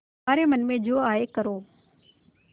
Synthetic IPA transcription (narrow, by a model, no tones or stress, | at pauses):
aːɾeːmənmẽːd͡ʑoːaːekəɾoː